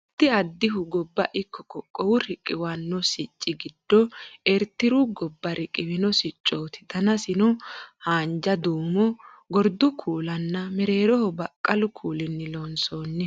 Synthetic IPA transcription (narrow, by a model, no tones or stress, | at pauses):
t̪ːɪɐd̪ːɪɦʊɡɔbːɐʔɪkːɔ̥kɔkʼːɔwʊɾɪkʼːɪwɐnːɔsɪt͡ʃʼːɪɡɪd̪ːɔɛɾt̪ːɪɾʊɡɔbːɐɾɪkʼːɪwɪnɔsɪt͡ʃʼːoːt̪ɪ̥d̪ɐnɐsɪnɔhaːnd͡ʒɐd̪uːmɔ | ɡɔɾd̪ʊkʰuːlɐnːɐmɛɾe̞ːɾɔhɔbɐkʼːɐlʊkʰuːlɪnːɪlonso̞ːnːɛ